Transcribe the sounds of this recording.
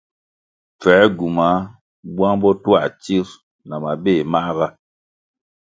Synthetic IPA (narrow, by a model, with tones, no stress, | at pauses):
p͡fɛ˨˦ɡu˨ma˨˦ | bwa˦ŋbɔ˦tu˦a˦˨t͡ʃi˦ɾ | na˨ma˨be˦˨ma˦ɣa˦